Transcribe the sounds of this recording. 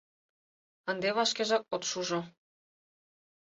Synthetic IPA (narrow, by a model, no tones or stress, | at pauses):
ə̆nd̪eβɑʃkeʒɑk̚ot̪ʃuʒo